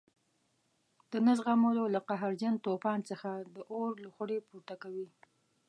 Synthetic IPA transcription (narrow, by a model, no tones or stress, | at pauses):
d̪̥ənazɣamololaqaɦaɾd͡ʒant̪opɑnt͡səxad̪əʔoɾlaxaɽepuɾt̪akawi